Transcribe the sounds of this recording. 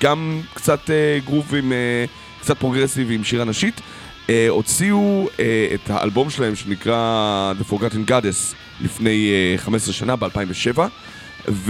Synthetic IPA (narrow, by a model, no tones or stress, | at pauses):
ɡ̥amkt͡sateɡʁuvime | kt͡sat̚pʁo̞ɡʁesivimʃiʁanaʃit | eo̞t͡siueetha̰ʔa̰lbo̞mʃelahe̞mʃenikʁad̪efo̞ɡatenɡades | lḭfne̞jχamesʁeʃanabealpaimveʃe̞va | v